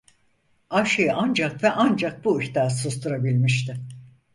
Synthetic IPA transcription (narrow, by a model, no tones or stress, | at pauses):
aʃɯjɯʔand͡ʒakvɛʔand͡ʒak̚buiht̪aːsost̪ʰuɾabilʲmiʃt̪ɪ